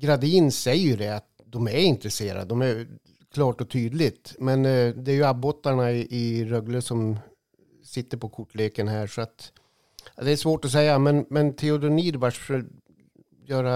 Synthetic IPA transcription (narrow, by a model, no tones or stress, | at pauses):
ɡɾad̪iːnsɛjːəjɵɖɛat̪ | d̪ɔmæɾɪnt̪ɾɛseːɾa̰d̪ɔmæɾ | kʰlɑːʈɔt̪ʰyːd̪lɪt̪mɛnd̪ɛːɾjɵabːɔt̪ːaɳaɪʔɪɾœɡləsɔm | sɪt̪ːəɾpʰɔkʰʊʈːleːkənhæːʂɔat̪ | d̪ɛæʂvoːʈɔs̬ɛjːamɛnmɛnt̪ʰɛʊd̪ʊniːɾvaʂfə | jœːɾa